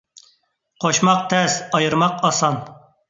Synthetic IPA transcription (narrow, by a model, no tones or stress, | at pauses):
qʰoʃmɑq̚t̪ʰɛsɑjɨɾmɑqɑsɑn